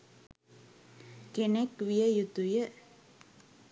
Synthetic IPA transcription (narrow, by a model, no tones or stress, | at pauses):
ɡenɛkwiəjut̪ujə